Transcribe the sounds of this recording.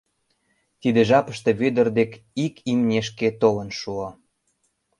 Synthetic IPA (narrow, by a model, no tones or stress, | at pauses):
t̪id̪eʒɑpəʃt̪e̽βød̪ə̆rd̪ekikʰimnʲeʃ̬ket̪olə̆nʃuo